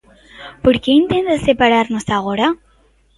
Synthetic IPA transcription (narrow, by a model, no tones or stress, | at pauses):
poɾkeĩnt̪ẽnd̪asepaɾaɾnʊsaɣoɾɐ